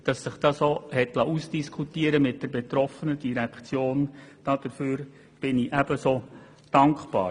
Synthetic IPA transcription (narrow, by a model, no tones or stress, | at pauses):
d̥ɑsːəχd̥ɑsohɛtlɑʔusd̥iskʰutiəɾəmɪt̚d̥ɛɾbɛtɾɔfənədiɾækt͡sjoːnd̥ɑd̥əɾføːɾ | b̥ɪniʔæb̥əsoː | d̥ɑŋkpɑ̰ːɾ